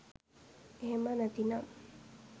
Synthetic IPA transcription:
eɦemənɐt̪inam

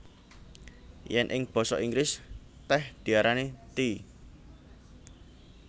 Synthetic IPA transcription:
jɛnʔɪŋb̥ɔ̤sɔʔiŋɡɾɪs | t̪ɛhd̪̥i̤aɾanet̪i

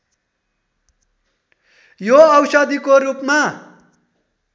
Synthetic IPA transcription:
joʌwsʌd̪ʱikorupma

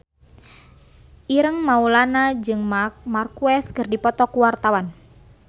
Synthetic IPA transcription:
ʔiɾəŋmaulanad͡ʒɨŋmak̚markuɛskərdipɔt̪ɔkuwart̪awan

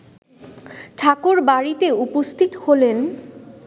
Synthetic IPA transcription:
ʈʰakoɾbaɽit̪eupost̪ʰit̪oholen

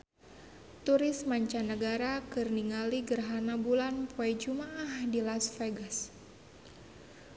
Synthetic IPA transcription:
t̪uɾɪsmaɲt͡ʃanəɡaɾakɨrniŋaliɡərɦanabulanpuajd͡ʒumaahdilasfeɡas

